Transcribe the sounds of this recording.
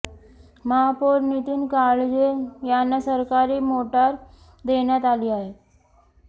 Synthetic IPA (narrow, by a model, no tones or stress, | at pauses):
məɦapoɾnit̪iːnkaɭd͡ʑejanːasəɾkaɾiːmoʈaɾ | d̪eɳjat̪aliːaɦe